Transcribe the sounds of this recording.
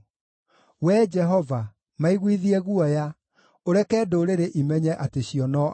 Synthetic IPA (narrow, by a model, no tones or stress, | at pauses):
wɛd͡ʒɛɦɔva | maiɣwiðiɛɣuɔja | oɾɛkɛːdoɾeɾeʔimɛɲɛʔateɕiɔnɔ